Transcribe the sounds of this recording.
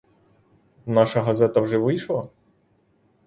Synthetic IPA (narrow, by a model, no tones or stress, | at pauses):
nɑʃɐɦɐzɛt̪ɐwʒɛʋɪjʃlˠɐ